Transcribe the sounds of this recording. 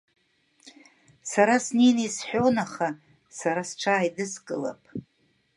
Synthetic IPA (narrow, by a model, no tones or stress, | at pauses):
saɾasninesħʷᶣonaχa | saɾasʈ͡ʂʰaːjdɨskʼɨla̰pʼ